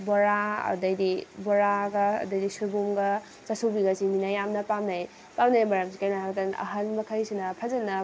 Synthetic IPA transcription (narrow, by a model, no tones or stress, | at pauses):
bɔɾaɐ̰dɐjdibɔɾaɡɐ̰ːdɐjdisuɾbumɡa | t͡ʃasubiɡasiminajamnɐpamnaj | pamnajbɔɾakzikajnaɦaɡtanɐ̰ɦɐnmɐkʰajsinɐpʰazɐnɐ